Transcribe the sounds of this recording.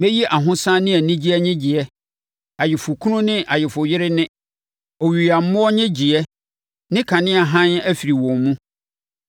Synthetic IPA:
mɛ̃˦ji˦ʔa˨ɦʊ̃˦sã˦nɪ̃˦æ˨nĩ˦d͡ʑi˦ɛ˦ɲɪ̃˦d͡ʑɪ˨ɛ˦ | a˨jɪ˨fʊ˨kʰũ˦nʊ̃˦nɪ̃˦ʔa˨jɪ˨fʊ˨jɪ˦ɾɪ˦nɪ̃˦ | ɔ˨ɥi˨a˨m̩˦mʊ̃˦ɔ˦ɲɪ̃˦d͡ʑi˨ɛ˦ | nɪ̃˦kʰã˨nɪ̃˦a˨ɦã˦næ˦fi˨ɾi˨wɔ̃˨nmũ˦

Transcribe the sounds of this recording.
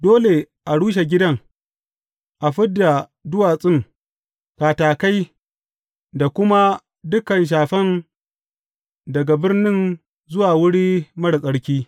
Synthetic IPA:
doː˦le˨ | ʔa˨ɽuː˦ʃ̬e˨ɡʲɪ˦dɐ˦ŋ | ʔa˨ɸɪ˦dːa˨ | dʊ˦waː˨sʼɪ˦ŋ | kaː˨taː˨ka˦j | da˨kʷʊ˦ma˦ | dʊ˦kɐ˨nʃ̬aː˨ɸɐ˦n | dɐ˨ɡa˨bɪ˦rnɪ˦n | zʊ˦waː˨wʊ˦ɽiː˦mɐ˦ɽsʼɐ˦ɽkʲiː˦

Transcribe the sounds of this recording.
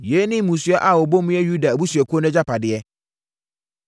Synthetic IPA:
je˨˦nɪ̃˦mũ˨su˨˦ɛ˦ʔa˦˨o˨bo˦mʊ̃˦jɛ˦ju˦da˨bu˦su˨ɛ˨kʰʊ˦o˦nɛ̃˦d͡ʑa˦pʰa˨dɪ˨ɛ˦

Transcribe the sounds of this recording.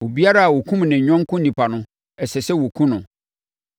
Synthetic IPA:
wo˨bi˦a˦ɾa˦a˨wo˨kʰũ˦m˨nɪ̃˨ɲᶣɔ̃˦ŋ˦kʰʊ̃˦nĩ˨pʰa˨nʊ̃˦ | ɛ˨sɛ˨sɛ˦wo˨kʰũ˦nʊ̃˨

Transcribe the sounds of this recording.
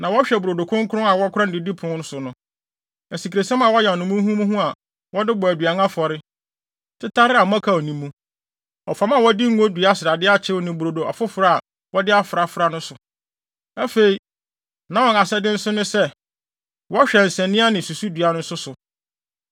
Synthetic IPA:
nã˨wɔ˦ɕᶣɛ˨bu˨ɾo˨do˨kʰʊ̃˦ŋ˦kʰʊ˦ʊ̃˦a˨wɔ˦kʰʊ˦ɾã˦n˨dɪ˦di˦pʰʊ˨ʊ̃˨˦nʊ̃˦sʊ˨nʊ̃˦ | æ˨si˨kʰɾe˨sɛ̃˦mã˨wɔ˦jɛ˨nʊ̃˨mũ˦ɦũ˦mũ˦ɦũ˦a˨ | wɔ˦dɪ˦bɔ˨æ˨dɥa˨ŋã˦fɔ˨ɾɪ˦ | tʰɪ˦tʰa˦ɾɪ˦a˨mã˦kʰa˦ɔ˨nĩ˦mːũ˦ | ɔ˨fa˨˦m˦a˦˨wɔ˦dɪ˦ŋ̩˦o˦dɥa˦sɪ˨ɾa˨dɪ˦a˦t͡ɕʰɪ˦ɔ˨nĩ˨bu˨ɾo˨do˨ʔa̰˨fʊ˦fɾa˦a˨ | wɔ˦dɪ˦a˦fɾa˨fʊ˨ɾa˦nʊ̃˦sʊ˨ | æ˦fe˨i˨ | nã˦wɔ̃˨na˨sɛ˦dɪ̃˦n̩˦sʊ˦nʊ̃˦sɛ˦ | wɔ˦a˦ɕᶣɛ˨n̩˨sɛ̃˨nɪ̃˦a˦nɪ̃˨su˨su˦dɥa˦nʊ̃˦n̩˦sʊ˦sʊ˨

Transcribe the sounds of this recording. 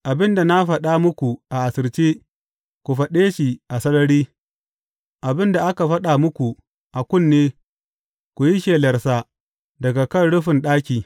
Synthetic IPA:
ʔa˨bɪ˦nda˨na˦ɸɐ˨ɗa˦mʊ˦kʷu˨ʔa˨ʔa˨sɪ˨rt͡ʃiː˦ | kʷu˨ɸɐ˨ɗeː˦ʃi˨ʔa˨sɐ˦nɐ˦ɽiː˦ | ʔa˨bɪ˦nda˨ʔa˦ka˨ɸɐ˦ɗa˨mʊ˦kʷu˨ | ʔa˨kʷʊ˦˨nːeː˦ | kʷu˨ji˦ʃeː˨lɐ˨rsa˦ | dɐ˨ɡa˨kɐ˦˨nɽʊ˦ɸɪ˨nɗaː˦kʲiː˨

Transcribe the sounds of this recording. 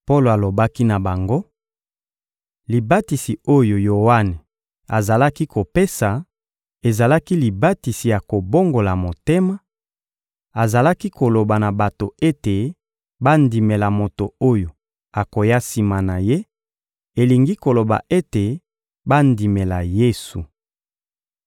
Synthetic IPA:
po˦lo˨a˨lo˨ba˦ki˦na˨ba˨ŋɡo˦ | li˨ba˦ti˨si˨o˦jo˨jo˨wa˦ne˨ | a˨za˨la˦ki˦ko˨pe˦sa˨ | e˨za˨la˦ki˦li˨ba˦ti˨si˨ja˨ko˨bo˦ŋɡo˨la˨mo˨te˦ma˦ | a˨za˨la˦ki˦ko˨lo˨ba˨na˨ba˨to˨e˦te˨ | ba˦ndi˨me˨la˨mo˨to˨o˦jo˨ | a˨ko˨ja˦si˨ma˨na˨je˦ | e˨li˨ŋɡi˦ko˨lo˨ba̰˨ʔe˦te˨ | ba˦ndi˨me˨la˨je˦su˨

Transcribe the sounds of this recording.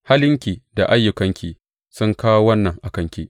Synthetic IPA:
ha˦lɪ˦ŋkʲiː˨da˨ʔa˦jːʊ˨kɐ˦ŋkʲi˦˨ | sʊ˦ŋkaː˦wo˦wɐ˦nːɐ˨ŋʔa˨kɐ˦ŋkʲi˦ʔ

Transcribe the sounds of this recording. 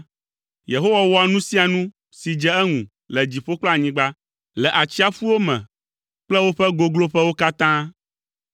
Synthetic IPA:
je˨ɦo˦wa˨wɔ˦a˨nũ˦si˦a˨nũ˦ | si˨d͡ʒɛ˦ɛ˦ŋũ˨ | lɛ˨d͡ʑi˨ɸo˦k͡plɔ˦a˨ɲĩ˦ɡ͡ba˦ | lɛ˨ʔa˨t͡ɕi˦a˦fu˦wo˦mɛ̰̃˨ | k͡plɛ˦wo˦ɸɛ˦ɡo˦ɡlo˦ɸɛ˦wo˦ka˦t̪ã˦

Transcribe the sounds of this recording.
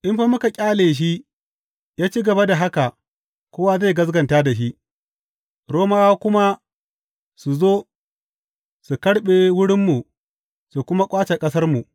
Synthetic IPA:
ʔɪ˦mɸa˦mʊ˦ka˨kʲʼaː˦leː˨ʃ̬i˦ | jaː˦t͡ʃi˦ɡɐ˨ba˦da˨ɦa˦ka˨ | kʷoː˦wa˨za˦˨ɡɐ˦s̬ɡɐ˨ntaː˦da˨ʃi˦ | ɽoː˦maː˦wa˦kʷʊ˦ma˦ | su˨zoː˦ | su˨kɐ˦ɽɓe˨wʊ˦ɽɪ˦mːu˨ | su˨kʷʊ˦ma˦kʷʼaː˦t͡ʃe˨kʼɐ˦s̬ɐ˦rmu˨

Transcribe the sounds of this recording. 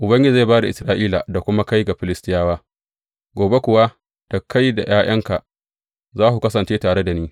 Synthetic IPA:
ʔʊ˨bɐ˦ŋɡʲɪ˦˨za˦˨baː˦da˨ʔɪ˨sɾaː˦ʔiː˦la˨da˨kʷʊ˦ma˦ka˦jɡa˨ɸɪ˨lɪ˦stɪ˦jaː˦waː˦ | ɡʷoː˨be˦kʷʊ˨wa˦ | d̥ɐ˨kːa˦jda̰˨jaː˦j̰ɐ˦ŋka˨ | zaː˦hu˨kɐ˦sɐ˨nt͡ʃeː˦taː˨ɽe˦da˨niː˦

